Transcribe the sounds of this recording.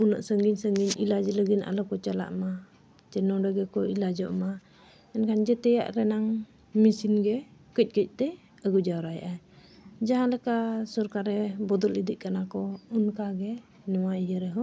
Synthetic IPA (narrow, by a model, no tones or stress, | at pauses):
unaʔsəŋɡiɲsəŋɡiɲilad͡ʒɛləɡina̰lɔkɔt͡ʃala̰ʔma | t͡ʃɛnɔɖəɡɛkɔilad͡ʒɔʔma | ɛnkʰand͡ʒɛt̪ɛja̰ʔɾɛnaŋ | misinɡɛkəc̚ˀkəc̚ˀt̪ɛ | əɡud͡ʒawɾajʔa | d͡ʒaɦãlɛkasɔɾkaɾɛbɔd̪ɔlid̪iʔ̚kanakɔunkaɡɛ | nɔwaijəɾɛɦɔ